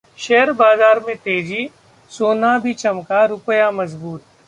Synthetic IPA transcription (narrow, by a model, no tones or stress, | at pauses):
ʃɛɦəɾbaːzaːɾmẽt̪eːd͡ʒi | soːnabʱit͡ʃɐmkaɾʊpəjamɐzbuːt̪̚